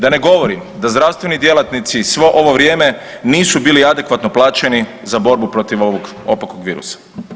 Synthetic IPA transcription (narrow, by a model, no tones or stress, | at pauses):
d̪ane̞ɡo̞ʋo̞ɾimd̪azd̪ɾaʋst̪ʋenid̪je̞lˠat̪nit̪sisʋoʔo̞ʋo̞ʋɾje̞ːme̞ | niːsubiːliad̪e̞kʋat̪no̞plˠaːt͡ʃe̞ni | zabo̞ɾbupɾo̞t̪iʋoʋoɡ | o̞̰pakoɡʋiːɾṵsḁ